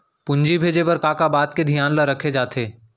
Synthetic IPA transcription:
pʊ̃ɲd͡ʒibʱeːd͡ʒepɐɾkaːkabaːt̪ked̪ʱijaːnləɾɐkʰed͡ʒaːt̪ʰeː

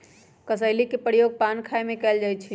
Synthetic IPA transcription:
kəsəɪlikepɾjoɡ̚pankʰaemekɛld͡ʒajt͡ʃʰi

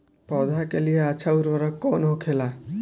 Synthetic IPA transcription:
pɔd̪ʱakelijeat͡ʃʰauɾwʌɾʌkːonɦokʰela

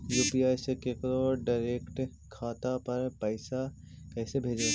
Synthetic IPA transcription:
juːpiaːjsekekɾoːɖaɪɾeːkʈ | kʰaːt̪apɐɾpəɪsa | kɛːsebʱeːd͡ʒaː

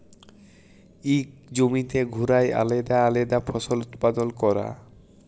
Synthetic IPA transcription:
ikd͡ʑomit̪eɡʱuɾaja̰led̪aaled̪afʰɔsolut̪pad̪olkɔɾa̰

